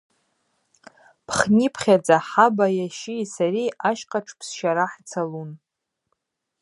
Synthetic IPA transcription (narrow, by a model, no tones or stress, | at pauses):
pʰχnipʰχʲad͡zʼaħabajaʃisaɾiʔaʃqʼaʈ͡ʂʰpʰsʃaɾaħt͡sʰalun